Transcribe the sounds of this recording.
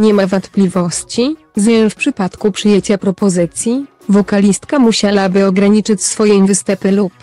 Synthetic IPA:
ɲɛmavɔnt̪plʲivɔɕt͡ɕi | zɲʲɛfpʂɘpat̪kupʂɘjet͡ɕapɾɔpɔzɘt̪sʲji | vɔkalʲist̪kamuɕawabɘɔɡɾaɲit͡ʂɘt͡ɕsfɔjɛ̃vɘst̪ɛpɘlup

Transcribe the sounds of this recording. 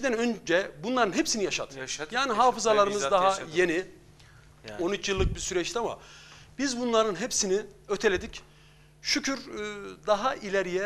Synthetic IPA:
id̪ænø̞nd͡ʒɛbunlˠaɾɯnɦepsinijaʃad̪jaːniɦaːfɯzalˠaɾɯmɯzd̪aɦajeni | o̞nyt͡ʃʰjɯlˠːɯk̚biɾsyɾɛt͡ʃt̪ʰama̰bizbunlˠaɾɯnɦepsiniøt̪ʰelʲed̪ic | ʃycʰyɾd̪aɦaʔilʲeɾijɛ

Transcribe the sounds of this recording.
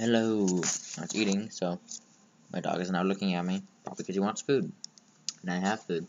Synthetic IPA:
hɛloʊa̰tsiˑɾɪ̃ŋsoʊ | mʔa̰ɪdɔ̰ɡɨznaʊlʊkɪ̃ŋɨt̚mipʰɹ̥ɑ̰blikʰʌz̥iwɑ̃ntsfud̚ | ə̃naɪɦəv̥fʉd̥̚

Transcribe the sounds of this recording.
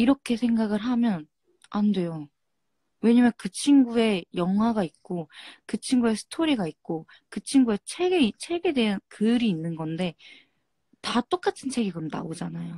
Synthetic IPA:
iɾʌkʰe̞sʰe̞ŋɡaɡɯɾɦamjʌn | ande̞jo | we̞ɲamjʌnkɯt͡ɕʰinɡue̞jʌŋɦwaɡaik͈okɯt͡ɕʰiŋɡue̞sʰɯ̥tʰoɾiɡait̚k͈o | kɯt͡ɕʰiŋɡue̞t͡ɕʰe̞ɡeit͡ɕʰe̞ɡe̞de̞ankɯɾiːnːɯnɡʌnde̞ | tat͈ok͈atʰɯnt͡ɕʰe̞ɡikɯɾʌmna̰od͡ʑanajo

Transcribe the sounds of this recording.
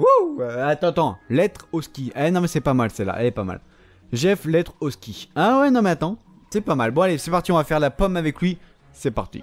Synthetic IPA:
uøat̪ɑ̃t̪ɑ̃lɛt̪χɔskʲianɔ̃mɛsɛpamalsɛla̰ʔɛ̰lɛpama̰l | ʒɛflɛt̪χɔskʲiawɛnɔ̃mɛat̪ɑ̃ | sɛpamalbɔ̃alesɛpaʁt̪iɔ̃vafɛʁlapɔmavɛklɥi | sɛpaʁt̪ḭ

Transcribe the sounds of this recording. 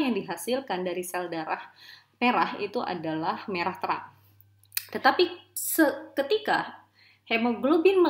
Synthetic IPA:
jaŋdiɦasilkandaɾisɛldaɾah | meɾahḭt̪uʔa̰dalahmeɾaht̪əɾa̰ŋ | t̪ət̪apisəkət̪ika | hemoɡlubɪnmə

